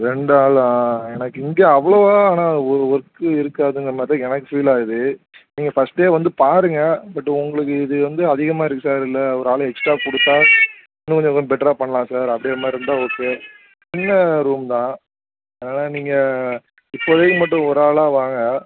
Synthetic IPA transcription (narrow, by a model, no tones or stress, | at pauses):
ɾɛɳɖaːɭãːɛnɐkːɯɪŋɡeːɐʋːɐɭoːaːaːnaːɔɾɯɔɾɯkːɯɪɾɯkːaːðɯŋɡɐmɐt̪ɐ̃ɛnɐkːɯfiːlaːɣɯðɯ | niːŋɡɐfɐsʈːeːʋɐnd̪ɯpaːɾɯŋɡɐbɐʈːʊŋɡɐɭɯk̬ːɯɪðɯʋɐnd̪ɯɐðɪɣɐmaːɪɾɯkːɯsaːɾɪlːɐɔɾaːɭɛksʈɾaːkɔɽɯt̪ːaː | ɪnːɯkɔɲd͡ʒɔ̃kːɐbɛʈːɐɾaːpɐɳːɐlãːsaːɾɐpɐɽɪjɐmaːd̪ɾɛnd̪ãːɔkːɯ | t͡ʃɪnːɐɾuːmt̪ãː | eeːnaːlaːniːŋɡɐ | ɪpːoːðeːkːɯmɐʈːʊ̃ɔɾaːɭaːʋaːŋɡɐ